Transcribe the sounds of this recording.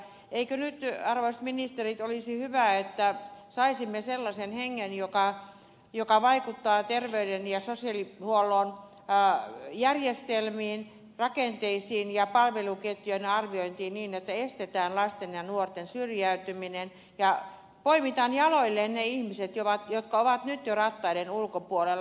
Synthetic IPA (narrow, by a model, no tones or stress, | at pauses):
eikønyt̪ɑrʋoist̪minist̪erit̪olisihyʋæet̪ːæsɑisimːeselːɑsenheŋːenjokɑ | jokɑʋɑikut̪ːɑːt̪erʋeydenjɑsosiɑlihuolːˑoːn | jærjest̪elmiːn | rɑkent̪eisiːnjɑpɑlʋeluket̪jøinɑrʋioint̪iːniːnet̪ːæest̪et̪æːnlɑst̪enjɑnuort̪ensyrjæyt̪yminen | jɑ | poimit̪ɑnjɑloilːenneihmiset̪joʋɑt̪jot̪kɑoʋɑt̪nyt̪jorɑt̪ːɑidenulkopuolel